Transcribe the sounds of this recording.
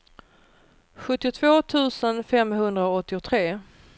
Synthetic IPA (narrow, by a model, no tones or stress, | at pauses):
ɧɵt̪ːɪʊt̪ʰvoːt̪ʰʉ̟ːsənfɛmɦɵnd̪ɾaoɔt̪ːɪʊt̪ʰɾeː